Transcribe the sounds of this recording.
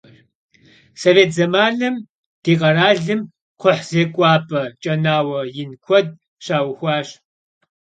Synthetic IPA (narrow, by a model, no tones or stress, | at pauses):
soːveːtʰzɐmaːɮɨm | d̥iːqʼɐɾaːɮɨm | qʰʷʊħz̥eːkʷʼɑːpʼɐt͡ʃʼɐnaːwɐjɪnkʷʰɔd̚ | ɕaːwxʷɑːɕ